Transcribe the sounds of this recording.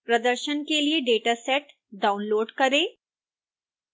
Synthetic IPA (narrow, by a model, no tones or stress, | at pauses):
pɾɐd̪əɾʃənkelieɖeːʈasɛʈ | ɖaːʊnloːɖkɐɾẽː